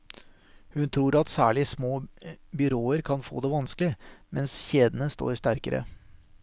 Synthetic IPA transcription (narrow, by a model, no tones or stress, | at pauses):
hʉnt̪ʰɾuːɾɑt̪sæːɭɪsmoːbʏɾoːəɾkʰɑnfo̰ːd̪ɛʋɑnsklɪmɛnsçeːd̪n̩əst̪o̰ːɾʂt̪æɾkəɾə̰